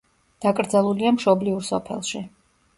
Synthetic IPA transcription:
d̪̥akʼɾd̪zalˠuliamʃɔbliuɾsɔ̰pʰɛ̰lˠʃi

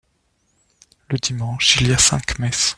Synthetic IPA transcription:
ləd̪imɑ̃ʃiljasɛ̰̃kmɛs

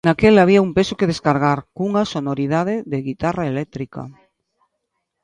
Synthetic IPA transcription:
nakelaβiaumpesokeð̞eskaɾɣ̞aɾkuŋasonoɾiðað̞eðeɣit̪araelɛk̚t̪ɾika̰

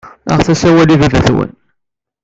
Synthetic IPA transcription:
ə̰ʁθæsæwælivævæθwə̰n

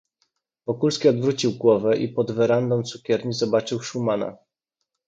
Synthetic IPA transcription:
v̥ɔkulskʲiɔd̪vɾut͡ɕiwɡwɔvɛʔipɔd̪vɛɾand̪ɔ̃wt̪sukʲɛɾɲizɔbat͡ʂɘwʂumana̰

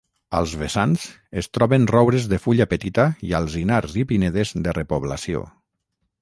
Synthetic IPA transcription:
ə̰lˠzβesanz̥ | est̪ɾɔβenrɔwβɾezðəfuʎapet̪it̪aḭalˠzinaɾzipineð̞ezd̪ərepoβlasio̰

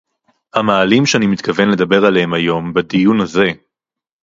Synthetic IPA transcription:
hamaːlimʃeanimit̪kave̞nle̞d̪ɐbe̞ʁalehemajo̞mbed̪ijunaze̞

